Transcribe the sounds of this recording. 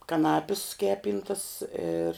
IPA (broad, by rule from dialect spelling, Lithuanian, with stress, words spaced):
kɐˈnɑːpʲɪs ˈkʲæːpʲiːntɐs ɪr